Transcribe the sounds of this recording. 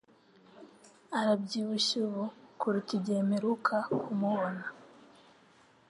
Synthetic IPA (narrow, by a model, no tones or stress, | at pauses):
aɾab̚ɟiːβuʃuβukuɾutiɟemeɾukʰakumuβona